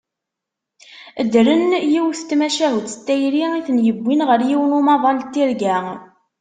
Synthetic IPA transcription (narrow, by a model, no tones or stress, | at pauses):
əd̪ɾənjiwθt̪ːmæʃæɦut̪st̪ːæjɾiiθənjəbʷːinʁəɾjiwnumɑðˤɑlt̪ːiɾɡæ